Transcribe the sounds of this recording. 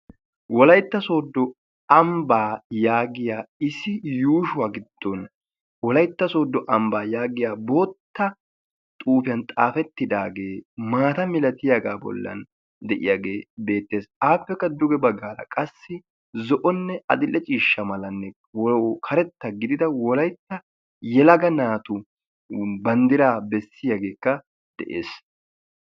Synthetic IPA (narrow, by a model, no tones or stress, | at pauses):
wɔlɐjt̪ːɐso̞ːd̪ːɔ | ɐmbaːjaːɡɪjaːɪsɪjuːʃʊwaːɡɪd̪̥ːon | wɔlɐjt̪ːɐso̞ːd̪ːɔʔɐmbaːjaːɡɪjaːbo̞ːt̪ːɐ | t̪ʼuːfɪjɐnt̪ʼa̰ːfɛt̪ːɪd̪aːɡe̞ːmaːt̪ɐmɪlɐt̪ɪjaɡaːbɔ̰lːɐ̰n | d̪ɛʔɪjaɡeːbe̞ːt̪ːe̞ːsaːpːɛkːɐd̪ʊɡɛbɐɡaːlɐ̰kʼɐsːɪ | zɔʔɔnːɛɐ̰d̪ɪlːɛt͡ʃʼiːʃːɐmɐlɐnːɛ | wkʰɐɾɛt̪ːɐɡɪd̪ɪd̪ɐwɔlɐjt̪ːɐ | jɛlɐɡɐnaːt̪ʊ | bɐnd̪ɪɾaːbɛsːɪjaɡe̞ːkːɐ | d̪̥ɛ̰ʔeːs